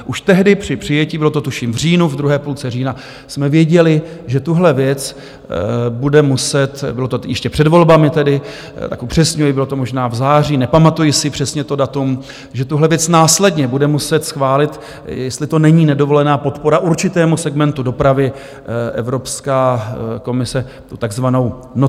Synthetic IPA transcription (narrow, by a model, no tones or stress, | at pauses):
ʔuʃt̪ɛɦdɪpr̥ɪpr̝̥ɪjɛciːbɪlo̞t̪ot̪uʃiːmvr̝iːnuvd̪ɾuɦɛːpuːlt͡sɛriːna | smɛvjɛɟɛlɪʒɛt̪uɦlɛvjɛt͡s | budɛmusɛt̪bɪlo̞t̪ojɛʃcɛpr̥ɛdvo̞lbamɪt̪ɛdɪ | t̪a̰kupr̝̥ɛsɲujɪbɪlot̪o̞mo̞ʒnaːvzaːriːnɛpamat̪ujɪsɪpr̝̥ɛsɲɛt̪o̞dat̪um | ʒɛt̪uɦlɛvjɛt͡snaːslɛdɲɛbudɛmusɛt̪sxvaːlɪt̪ | jɛst̪lɪt̪o̞nɛɲiːnɛdo̞vo̞lɛnaːpo̞t̪po̞ɾaʔuɾt͡ʃɪt̪ɛːmusɛɡmɛnt̪udo̞pɾavɪ | ʔɛ̰vɾo̞pskaːko̞mɪsɛ | t̪ut̪aɡzvano̞w | no